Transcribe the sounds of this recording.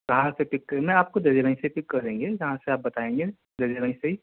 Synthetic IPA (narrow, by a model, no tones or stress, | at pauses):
kɐɦãseʈɪkːɐɾemẽaːp̚kod̪ɐd͡ʒiɾə̃nĩseiʈɪkːɐɾẽːŋɡejɐɦãseaːp̚bɐt̪aẽːŋɡe | d̪ɐd͡ʒiɾə̃iseɦi